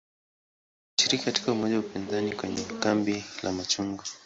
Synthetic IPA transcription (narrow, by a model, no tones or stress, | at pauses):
ʃiɾikikati̥kaumɔʄaupinzanikwɛɲɛ̰kambila̰mat͡ʃuŋɡɔ